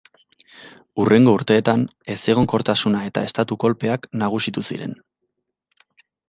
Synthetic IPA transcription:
ure̞ŋɡo̞uɾt̪e̞ːt̪ane̞se̞ɣ̞o̞ŋko̞ɾt̪asunae̞t̪a̰e̞st̪at̪uko̞lpe̞aknaɣ̞usit̪usḭɾe̞̰n

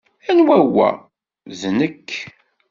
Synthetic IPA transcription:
ænwæwːæ̰ | ðnəkː

